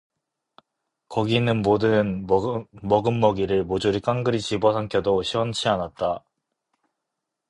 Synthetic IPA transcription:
kʌɡinɯnmodɯn | mʌɡɯnːʌɡiɾɯɭmod͡ʑuɾik͈aŋɡɯɾit͡ɕibʌsʰaŋkʰjʌdoɕʰiwʌnt͡ɕʰianat̚t͈a

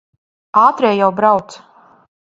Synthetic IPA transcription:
aːt̪ɾɛːjawbɾawt̪s

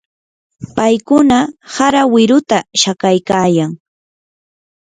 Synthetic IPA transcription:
pajkʊnahaɾawɪɾʊt̪aʃakajkaːjaŋ

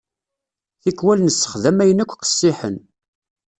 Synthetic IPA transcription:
θikwælnəsːə̥χðæmæjənækʷːqə̥sːɪħən

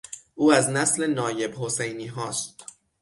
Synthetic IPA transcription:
ʔuːæznæsle̞nɒːje̞bhose̞jniːɦɒːst̪̚

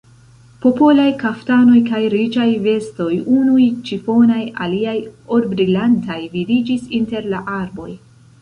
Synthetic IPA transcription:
po̞po̞lajkaftano̞jkajɾid͡ʒajve̞sto̞junujt͡ʃifo̞naja̰liajoɾbɾilantajvidid͡ʒisinte̞ɾlaʔaɾbo̞j

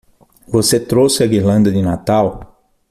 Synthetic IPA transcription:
voset̪ɾosɪɐɡiɾlɐ̃nd̪ɐd̪ɪnat̪aw

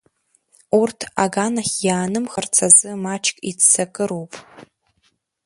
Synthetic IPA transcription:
urtʰaɡanaχʲjaːnɨmχərt͡sʰazɨmat͡ʃʰkʲʼit͡sːakʼɨɾowpʼ

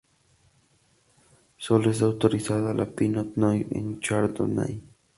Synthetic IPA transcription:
solesawt̪oɾɪsaðalʔa̰pinot̪nojḛnt͡ʃaɾd̪o̰na̰j

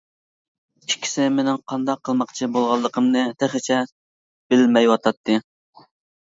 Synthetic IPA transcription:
t͡ʃʲʰi̥kʲʰːi̥sɪmenɪŋqʰɑnd̪ɑqʰːəlˠmɑqt͡ʃʰibolˠʁɑlˠːəqʰəmnɨt̪ʰæχɪt͡ʃʰɛ | b̥ɪlmɛjwɑt̪ʰɑt̪ʰːɨ

